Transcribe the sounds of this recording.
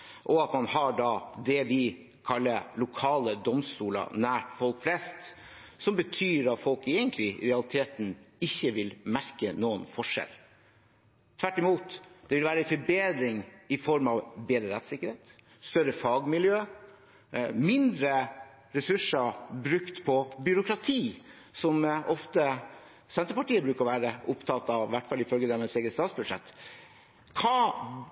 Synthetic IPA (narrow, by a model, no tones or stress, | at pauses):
ʔɔɑt̪mɑnhɑɖɑd̪ɛʋɪ | kʰɑlːəlʊkʰɑːləd̪ɔmst̪uːlə̰næːʈfɔlkflɛst̪ | sɔmbət̪ʰyːɾɑt̪fɔlkeːɡənt̪ʰlɪɾɛɑlɪt̪ʰeːt̪n̩ɪçːəʋɪlmæɾkənuːənfɔʂɛ̰l | t̪ʰʋæʈːɪmuːt̪d̪̥ɛʋɪlʋæːɾəfɔbeːd̪ɾɪŋɪfɔɾmɑʋbeːd̪ɾəɾɛt̪sɪkːəɾheːt̪ | st̪œɾəfɑɡmɪljøː | mɪnd̪ɾə | ɾɛsʉʂəbɾʉkt̪pʰɔbʏɾʊkɾɑt̪ʰiː | sɔmʔɔft̪ə | sɛnt̪əpɑʈiːəbɾʉːkəɾɔʋæːɾəʔʊpt̪ʰɑt̪ːɑʋʋæʈfɑlːɪfœlɡəd̪ɛmɛseːɡɾəst̪ɑːt̪sbʉʂɛ̰t̪ː | kʰɑː